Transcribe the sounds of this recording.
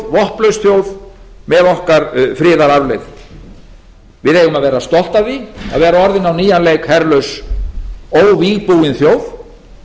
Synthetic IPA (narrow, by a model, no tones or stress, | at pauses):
vɔhplœɥsθjoːwðmɛðɔhkaɾfɾɪːðaɾaɾlɪð | vɪðejɣʏmaðvɛːɾast̪ɔl̥t̪avia̰ðvɛːɾaɔɾðɪnawniːjanlejkhɛɾlœɥs | oːwviːɣpuwɪnθjoːwð